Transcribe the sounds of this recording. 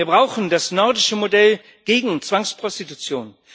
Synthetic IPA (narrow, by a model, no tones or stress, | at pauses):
iːɐbʁaʊxn̩dasnɔɐdɪʃəmodɛl | ɡ̥eːɡŋ̩t͡sv̥aŋspʁ̥ɔstitut͡sjoːn